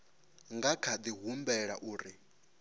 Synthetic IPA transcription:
ŋɡakʰad̪iɦumbɛɺa̰ʔuːɾi

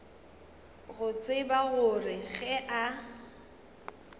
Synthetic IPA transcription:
ɣʊt͡sʼɪbaɣʊrɪɣɛʔa

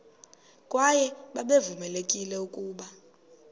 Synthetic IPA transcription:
kʼwajɛɓaɓevumɛlekʼilɛukʼuːɓa

